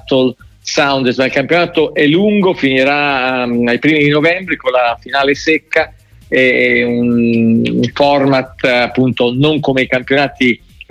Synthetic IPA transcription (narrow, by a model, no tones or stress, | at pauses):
t̪ol | sawnd̪smailkampjonaːt̪oʔɛluŋɡofiniɾaajpɾiːmid̪inovɛmbɾekonlafinaːlesɛkːa | ɛun | fɔrmat̪apːunt̪onoŋkomeikampjonaːt̪i